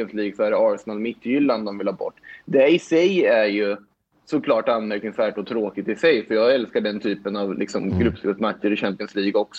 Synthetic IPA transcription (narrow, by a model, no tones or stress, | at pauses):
ənsliːɡsɔæɾɑːɾsɛnalmɪt̪ʰːjʏlːand̪ɔmvɪlhɑːbɔ̰ʈːd̪ɛɪsɛjæɾjɵ | sɔkʰlɑːʈanmɛɾknɪŋsvæːʈɔt̪ʰɾoːkɪt̪ɪsɛjfœɾjɑːɡɛlskaɖɛnt̪ʰyːpənɑvlɪ̰ksɔmɡɾɵpːspɪt̪mat̪ʂəɾɪɕæmpɪənsliːɡɔks